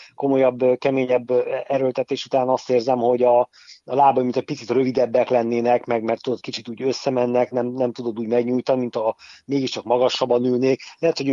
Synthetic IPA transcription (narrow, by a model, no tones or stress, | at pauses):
ko̞mo̞jɒbːkɛmeːɲɛbːɛɾølt̪ɛt̪eːʃut̪aːnɒst̪eːrzɛmho̞ɟɒ | ɒlaːbɒmint̪ɛc̚ʲpit̪sit̪røvid̪ɛbːɛklɛnːeːnɛkmɛɡmɛrt̪ːud̪ot̪̚kit͡ʃit̪uːɟø̞sːɛmɛnːɛknɛmnɛmt̪ud̪o̞d̪uːɟmɛɡɲuːjt̪ɒnimint̪ɒmeːɡiʃt͡ʃɒkmɒɡɒʃːɒbːɒnylneːklɛɦɛt̪ho